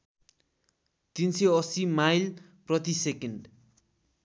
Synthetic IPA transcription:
t̪inseʌsimajl | prʌt̪isekenɖ

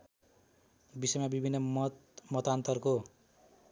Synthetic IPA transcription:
bisʌjmabibʱinːʌmʌt̪ant̪ʌrko

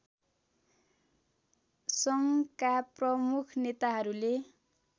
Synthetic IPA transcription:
sʌŋkaprʌmukʰnet̪aɦʌɾule

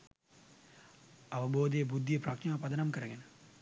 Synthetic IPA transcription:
ɐʋɐboːd̪ijɐbud̪ʱːijɐpɾɐkʂaːpɐd̪ɐnɐmkɐɾɐɡɐn

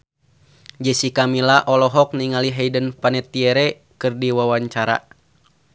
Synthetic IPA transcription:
d͡ʒəsikamilaʔɔlɔɦɔk̚niŋaliɦɛidənpanɛt̪iɛɾɛ | kɨrdiwawaɲt͡ʃaɾa̰

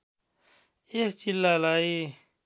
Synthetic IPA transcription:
est͡ɕilːaːlaːi

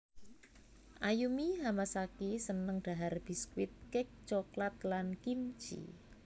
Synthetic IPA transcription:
ʔajumiɦamasakisənəŋɖ̥a̤ɦarb̥i̤skwɪt̪̚kɪk̚t͡ʃoklat̪̚lankimt͡ʃḭ

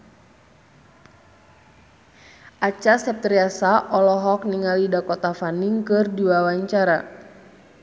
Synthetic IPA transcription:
ʔat͡ʃasɛp̚t̪ɾiasaʔɔlɔɦɔk̚niŋalidakɔt̪afaniŋkɨrdiwawaɲt͡ʃaɾa

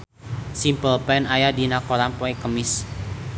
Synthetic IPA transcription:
simpəlpɛnajadinakoɾampɔekəmɪs

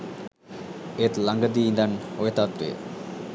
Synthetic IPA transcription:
et̪laŋɡad̪iind̪anojet̪at̪ɾḛ

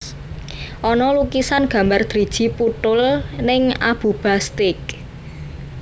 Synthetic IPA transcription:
ʔɔnɔlukisanɡ̥ä̤mbard̪̥ɾid̥ʒ̥i̤put̪ʊlnɪŋa̰b̥ṳb̥ast̪ɪk̚

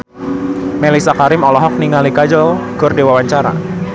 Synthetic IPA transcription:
mɛlisakaɾɪmɔlɔɦɔk̚niŋalikad͡ʒɔl | ɡ̥ɔrdewawaɲt͡ʃaɾa̰

